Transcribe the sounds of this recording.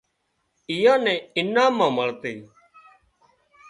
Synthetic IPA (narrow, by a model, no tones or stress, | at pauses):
ɪjãːnɛ̃ːɪnãːmãːməɭt̪eː